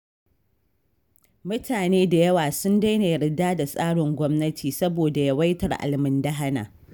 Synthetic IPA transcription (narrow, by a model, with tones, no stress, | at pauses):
mʊ˦tʰaː˨neː˦da˨jɐ˦waː˨sʊ˦nda˦jne˨ɽɪ˨daː˦da˨sʼaː˦ɽɪ˨ŋɡʷɔ˦mnɐ˦tʰiː˨sɐ˦boː˨da˨ja˦wa˦jtɐ˨rʔa̰˨lmɪ˦nda˦ɦa˦na̰ː˨